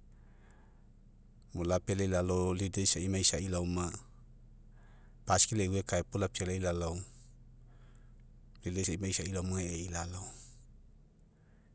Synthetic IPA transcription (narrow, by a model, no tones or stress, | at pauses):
molapeleilalolidejsaimaisailawma | paskileiwekaepulap̚t͡ʃelailalow | lidesaimaisailawmaŋeeilalow